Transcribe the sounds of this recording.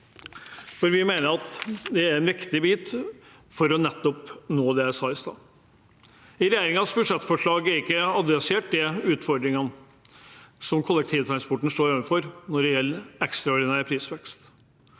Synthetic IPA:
fɔɾʋɪmeːnəɾɑt̪d̪ɛæɾɛnʋɪkt̪ɪbiːt̪ | fɔɾɔnɛt̪ːɔpnoːd̪ɛæsɑːɪst̪ɑ̰ː | ɪɾɛjeːɾɪŋɑsbʉʂɛt̪ːfɔʂɭɑːɡæɾɪkːəɑd̪ʋɛsɪeːʈ̚d̪ɛʉːt̪fɔɾɖ̪ɾɪŋən | sɔmkʰʊlːəkt̪ʰiːʋət̪ʰɾɑnspʰɔʈːn̩ʂt̪oːɾeːʋənfɔɾnɔɖɛjɛlːəɾɛkst̪ɾɑɔɾɖɪnæːɾpʰɾiːsʋɛkst̪

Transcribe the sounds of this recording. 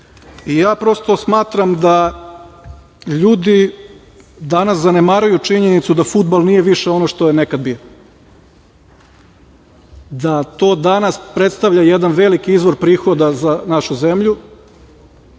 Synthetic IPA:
ijaːpɾost̪o̞smaːt̪ɾamd̪a | ʎuːd̪i | d̪anaszanemaɾujut͡ʃiɲe̞nit̪sud̪afud̪̚balˠnije̞ʋiʃeo̞noʃt̪ojenekad̪̚bio | d̪at̪o̞ːd̪anaspɾet̪st̪aʋʎajed̪anʋe̞likiizʋo̞ɾpɾiːxo̞d̪azanaʃuze̞mʎu

